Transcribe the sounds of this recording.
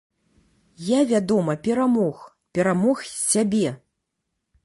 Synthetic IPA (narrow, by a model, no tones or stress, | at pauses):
javʲad̪ɔmɐpʲɛɾamɔx | pʲɛɾamɔxsʲabʲɛ